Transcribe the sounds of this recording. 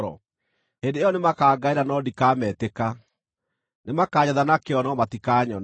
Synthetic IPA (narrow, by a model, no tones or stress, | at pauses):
ɾɔ̰ | hendeɔnemakaːɡaiɾanɔdikaːmɛteka | nemakaːɲaðanakeɔnɔmatikaːɲɔn